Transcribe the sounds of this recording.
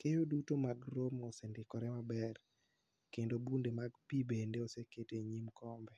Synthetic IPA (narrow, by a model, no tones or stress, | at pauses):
kejodutomaɡɾomosendɪkɔɾɛmabɛr | kendobundemaɡpibendeoseketeɲimkʰɔmbɛ